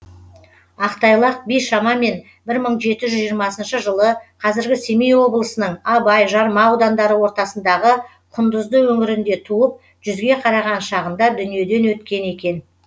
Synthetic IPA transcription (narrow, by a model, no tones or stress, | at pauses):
ɑqt̪ɑjlˠɑq̚bijʃɑmɑme̞n | bɪɾməɴʒe̞t̪ɪʒʏzʒijəɾmɑsənʃəʒəlˠəqʰɑzɪɾɡʲɪse̞mijwo̞blˠəsənəɴɑbɑjʒɑɾmɑwd̪ɑnd̪ɑɾəwo̞ɾt̪ɑsənd̪ɑʁə | qʰʊnd̪əzd̪əwɵŋɪɾɪnd̪e̞t̪ʰuəp̚ | ʒ̥ʏzɡʲe̞qʰɑɾɑʁɑnʃɑʁənd̪ɑd̪ʏnije̞d̪e̞nwɵt̪kʲe̞ne̞kʲe̞n